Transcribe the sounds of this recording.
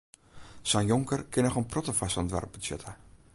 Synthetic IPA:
sanjoŋkərkʰɪnɔxənprɔtəfasɔndʋɛ̰rp̚bəsjø̰tʰa

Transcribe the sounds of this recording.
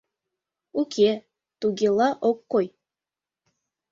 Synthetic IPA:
ukʲʰe | t̪uɡʲelˠɑʔokːoj

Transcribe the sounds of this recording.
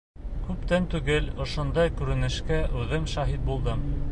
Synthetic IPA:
kʉp̚t̪ænt̪ʉɡɘlŏʃŏnd̪ɑjkʉɾɘ̆nɘ̆ʃkæʔʉðɘmʃɑɦit̪̚bulˠd̪ɤm

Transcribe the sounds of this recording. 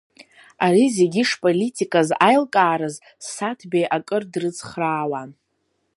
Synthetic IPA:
aɾizeɡʲiʂpʼo̞litʰʼikʼazajlkʼaːɾɨz | satʰbejʔakʼɨrdrɨt͡sʰʼχraːwan

